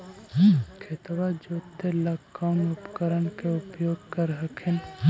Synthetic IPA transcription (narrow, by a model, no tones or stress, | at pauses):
kʰet̪wad͡ʒoːt̪ːelakːaʊnʊpkəɾənkeʊpjoːɡkəɾɦəkʰen